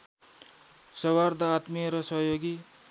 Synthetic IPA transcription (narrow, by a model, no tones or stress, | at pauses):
sʌward̪ʌːt̪miɾʌsʌɦjoɡi